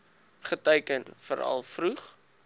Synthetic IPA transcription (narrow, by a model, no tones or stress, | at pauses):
χətəjkənfəɾɐ̰lˠfruχ